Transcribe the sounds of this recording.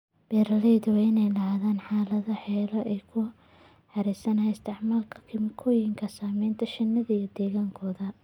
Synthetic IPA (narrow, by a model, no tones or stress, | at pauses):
b̥ɛːɾɐlɛjðʊwɪnɛjlɐɦaːðaːnħaːlɐðɐħɛːlɐʔɛjkʰʊ | ħɑɾiːsɐnɐɦɛɪst̪ʰɪʕmaːlkʰɐ̥kʰɪmɪkʰɔːjɪŋkʰɐsaːmɛːnt̪ʰɐʃɐnːɐðɐijɔd̪ɛːɣaːŋkʰɔːðɐ